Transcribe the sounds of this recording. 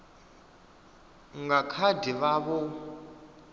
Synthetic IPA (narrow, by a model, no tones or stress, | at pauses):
ŋɡakʰadiβaβɔ